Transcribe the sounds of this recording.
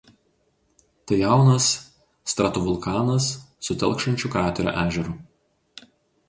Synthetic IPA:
t̪ɐjɑˑʊnɐsː | t̪ɾɐt̪ʊʋʊlˠˑkɑːnɐsːʊt̪ʲɛ̰lˠˑkʃɐnʲt͡ʃʲukɑːt̪ʲɛɾʲo̰ʔæːʒʲɛɾuːˑ

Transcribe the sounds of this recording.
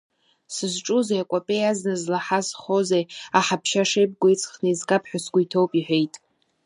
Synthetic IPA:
sɨzʈ͡ʂʼuzejakʷʼapʼejaznɨzlaħazχozejaħapʰʃaʂejb̚ʼɡʷejt͡sʼχniizkʼapʰħʷᶣasɡʷujtʰo̞wpʼiħʷᶣe̞jtʼ

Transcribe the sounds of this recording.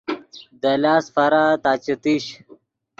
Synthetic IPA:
d̪ɐlaːsfɐɾat̪aːt͡ɕit̪iɕ

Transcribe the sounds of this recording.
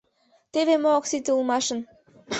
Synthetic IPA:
t̪eβemooksit̪eulˠmɑʃə̆n

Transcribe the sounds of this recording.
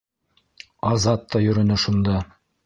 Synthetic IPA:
ɑzɑt̪ːɑjɵ̆ɾɵ̆nɵʃund̪ɑ

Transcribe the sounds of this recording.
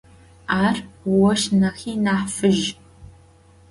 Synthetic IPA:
aːrwɔʃnɐxiːnaːħfɨʒ

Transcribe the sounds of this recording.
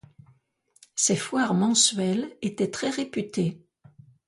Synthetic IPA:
sɛfwaʁmɑ̃sɥɛlet̪ɛt̪χɛʁepyt̪e

